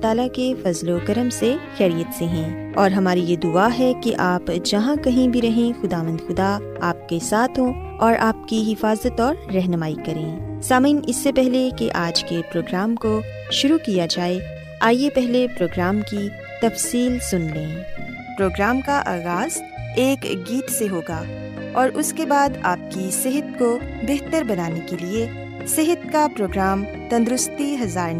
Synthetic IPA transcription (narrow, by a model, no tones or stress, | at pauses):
t̪aːlakefɐzlokɐɾəmsexɛːɾijət̪seɦɛ̃ː | ɔːɾɦɐmaːɾijed̪ʊaːɦɛkeʔaːpd͡ʒɐɦãkɐɦĩbʱiɾɐɦẽxʊd̪aːʋə̃nd̪xʊd̪a | aːp̚kesaːt̪ʰɦõ | ɔːɾʔaːpkiɦɪfaːzət̪ɔːɾːɛɦnəmaːikɐɾẽːsaːmĩːnɪsːepɛɦlekeʔaːd͡ʒkepɾoːɡɾaːmko | ʃʊɾukijad͡ʒaːe | aːjepɛɦlepɾoːɡɾaːmki | t̪ɐfsiːlsʊnlẽː | pɾoːɡɾaːmkaʔaːɣaːz̥ | eːkɡiːʈseɦoːɡaː | ɔːɾʔʊskebaːd̪aːp̚kisɪɦət̪̚ko | beɦt̪əɾbɐnaːnekelie | sɪɦət̪̚kapɾoːɡɾaːm | t̪ɐ̃nd̪ɾʊst̪iɦɐzaːɾn